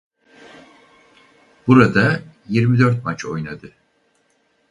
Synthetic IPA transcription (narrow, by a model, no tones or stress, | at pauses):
b̥uɾad̪ajiɾmid̪ø̞ɾt̪̚mat͡ʃʰo̞̰jnad̪ɯ